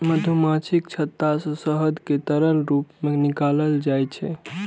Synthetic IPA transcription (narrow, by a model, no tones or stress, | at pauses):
məd̪ʱumat͡ʃʰikt͡ʃʰət̪ːasɔ̃səɦəd̪ʱket̪əɾəlɾupmenikaləld͡ʒajt͡ʃʰɛ̰